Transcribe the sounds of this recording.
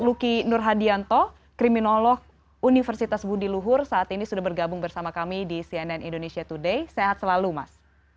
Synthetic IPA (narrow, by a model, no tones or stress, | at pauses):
lukinʊrɦadiant̪ɔ | kɾiminolɔk̚ | unifərsit̪asbudiluɦʊrsaːt̪inisudahbərɡabʊŋbərsamakamidisiɛnɛnindonesiat̪udejseɦat̪̚səlaluma̰s